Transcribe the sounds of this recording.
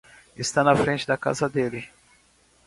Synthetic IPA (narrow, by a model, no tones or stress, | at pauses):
ɪst̪anɐfɾẽnt͡ʃɪd̪ɐka̰zɐd̪elɪ